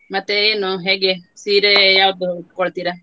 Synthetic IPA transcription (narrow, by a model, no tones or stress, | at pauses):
mɐt̪ːeenːuɦeːɡesiːɾejaːʋɐd̪uːʈkoɭt̪iɾe